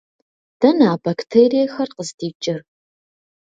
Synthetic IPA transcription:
d̥ɐnaːbɐktʰeːɾijɐxɐrqəzdiːt͡ʃʼɪr

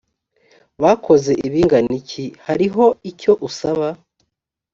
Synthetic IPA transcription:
βaːkʰo̞ze̞ʔiβiːŋɡanicihaɾiɦo̞ico̞ʔusaβa

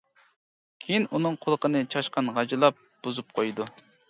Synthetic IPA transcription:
kʲʰejinunɨŋqʰolˠəqənɨt͡ʃʰɑʃqɑnʁɑd͡ʒɨlˠɑp̚b̥uzup̚qʰojd̪u

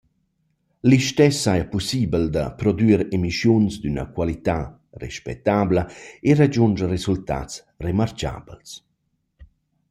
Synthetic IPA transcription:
liʃt̪ɛsːajapusiːbəld̪a̰pɾɔd̪yːɾemiʃjunsd̪ynə̰kwalit̪a | rɛ̰ʃpɛ̰t̪ːaːbləerad͡ʒund͡ʒəresult̪a̰t͡s | remart͡ʃa̰ːbəls

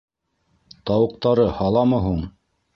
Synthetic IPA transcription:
t̪ɑwɤ̆q̚t̪ɑɾɤhɑlˠɑmɤɦuɴ

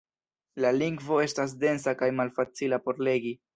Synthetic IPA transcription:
laliŋɡvo̞e̞stas̬de̞ns̬akajmalfat͡silapo̞ɾle̞ɡi

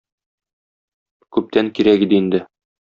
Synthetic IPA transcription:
kʉp̚t̪æŋkiɾækid̪ɘind̪ɘ

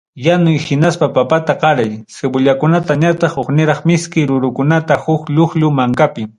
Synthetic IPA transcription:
janʊjhɪnaspapapat̪aqɑɾajsebʊʎakʊnat̪aɲat̪ɑχoχnɪɾɑχmɪskɪɾʊɾʊkʊnat̪ahʊkʎʊxʎʊmaŋkapɪ

